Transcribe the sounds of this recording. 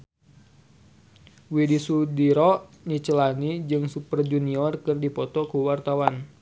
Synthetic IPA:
widisudiɾɔʔ | ɲit͡ʃəlanid͡ʒɨŋsupərd͡ʒuniɔrkɨrdipɔt̪ɔkuwart̪awan

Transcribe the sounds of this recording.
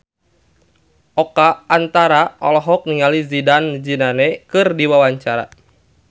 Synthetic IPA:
ʔɔkaːnt̪aɾaɔ̰lɔɦɔk̚niŋalizidand͡ʒinanɛkɨrdiwawaɲt͡ʃaɾa̰

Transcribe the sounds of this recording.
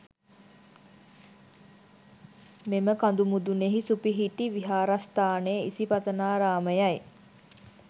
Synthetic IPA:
meməkand̪umud̪uneɦisupiɦiʈiʋiɦaːɾast̪aːnejḭsipat̪ənaːɾaːməjaj

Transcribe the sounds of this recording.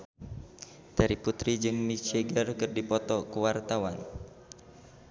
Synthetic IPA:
d̥aɾiput̪ɾid͡ʒɨŋmit͡ʃɛɡərkɨrdipɔt̪ɔkuwart̪awan

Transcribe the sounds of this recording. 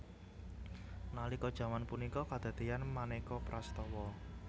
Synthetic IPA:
nalikɔd̥ʒ̥ä̤manpunikɔkad̪̥a̤d̪̥eanmanekɔpɾʔast̪ɔwɔ

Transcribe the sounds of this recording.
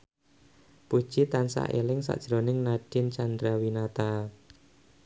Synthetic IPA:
pud̥ʒ̥it̪ansa̰ʔelɪŋsa̰ʔd̥ʒ̥ɾonɪŋnad̥ɪnt͡ʃand̪ɾawinat̪a

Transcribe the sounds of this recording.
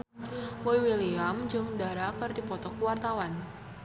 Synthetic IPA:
wɔjwiliamd͡ʒɨŋdaɾakɨrdipɔt̪ɔkuwart̪awan

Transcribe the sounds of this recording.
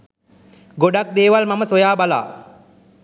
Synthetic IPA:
ɡoɖak̚d̪eːʋalmaməsojaːbala̰ː

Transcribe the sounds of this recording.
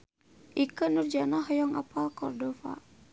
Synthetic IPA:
ʔikənurd͡ʒanaɦɔjɔŋa̰palkɔrdɔfa̰

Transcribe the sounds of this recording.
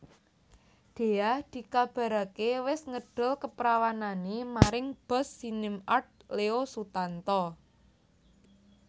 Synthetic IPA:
d̪̥e̤ahd̪̥i̤kab̥a̤ɾakewɪsŋəɖ̥ʊ̤lkəpɾawananemaɾɪŋb̥ɔ̤sːinɪmart̪̚leosut̪ant̪ɔ

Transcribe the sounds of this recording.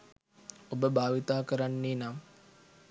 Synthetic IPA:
obəbʱaːʋit̪aːkəɾanːeːna

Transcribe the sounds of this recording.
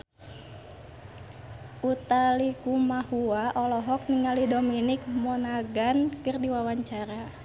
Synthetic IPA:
ʔut̪alikumahuaʔɔlɔɦɔk̚niŋalihdominik̚mɔnaɡankɨrdiwawaɲt͡ʃaɾa

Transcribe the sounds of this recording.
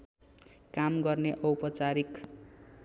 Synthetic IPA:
kamɡʌrneʔʌwpʌt͡saɾik

